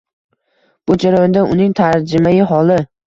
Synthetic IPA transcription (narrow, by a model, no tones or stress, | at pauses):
b̥ʊd͡ʒaɾajɔnd̪aʔʊnɪŋt̪ʰaɾd͡ʒɪmajɪɦɒlɪ